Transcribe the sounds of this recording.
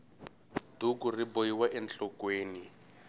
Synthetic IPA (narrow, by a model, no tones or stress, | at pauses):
dʱukuribojiwaʔɛnt͡ɬɔkweːni